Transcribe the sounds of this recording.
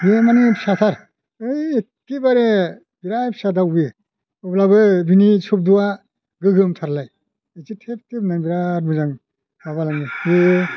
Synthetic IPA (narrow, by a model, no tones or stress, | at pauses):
bemanipʰi̥sat̪ʰaɾ | ɯjekːibaɾe | biɾajpʰsadawbɯ | ɔblabɯbinisʰup̚duwa | ɡɯɡɯmtʰaɾlaj | ezitʰep̚tʰebnaŋbiɾaɾmɯzaŋ | mabalaŋɯɯ